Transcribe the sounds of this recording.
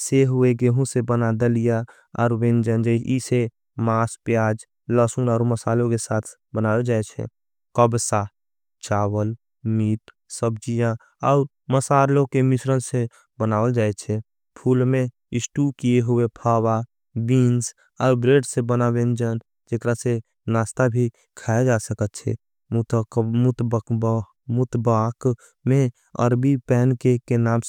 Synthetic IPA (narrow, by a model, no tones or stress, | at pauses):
seɦʊeɡeɦũsebənad̪əlija | ɔ̰ːɾwẽnd͡ʒənd͡ʒəise | maːspjaːd͡ʒ | ləsunɔːɾməsaːlõkesaːt̪ʰ | bənaːəd͡ʒaːɛt͡ʃʰɛ̰ | kəbsa | t͡ʃaːwəl | miːʈ | səb̚d͡ʒijã | ɔʊɾ | məsaːlõkemɪsɾənse | bənaːəld͡ʒaːɛt͡ʃʰɛ | pʰuːlmẽ | ɪsʈukijeɦuepʰawa | biːns | ɔːɾbɾeːɖsẽbənabend͡ʒən | d͡ʒekɾase | naːst̪abʱi | kʰaːed͡ʒasəkət̪̚t͡ʃʰɛ̰ | mt̪mʊt̪k | mʊt̪bak | mẽ | ə̰ɾbipɛːnkekenaːm